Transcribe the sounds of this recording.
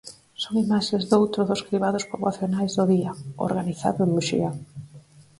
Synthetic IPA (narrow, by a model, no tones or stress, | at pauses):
soŋimaʃezðowt̪ɾʊðoskɾiβaðospoβaθjonajzðoðiɐo̰ɾɣaniθa̰ðʊeŋmuʃḭa